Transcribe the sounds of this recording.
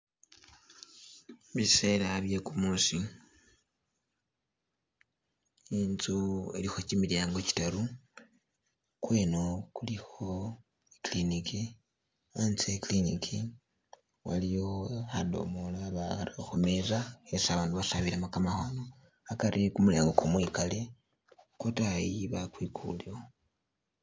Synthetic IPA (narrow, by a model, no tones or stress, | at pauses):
βiselaaβjekumuːsi | inzuḛlixo̞cimiljaːŋɡo̞ci̥taɾu | kwe̞ːno̞kulixo̞ | kliniki | ant͡sekliniki | wa̰lijo̞hado̰molaβa̰ɾxomezaesaβaːnduβasaβilamakamaxano | akaɾʔikumulḛːŋɡokomwikale̞ | kotajiβakwikʰṵliwo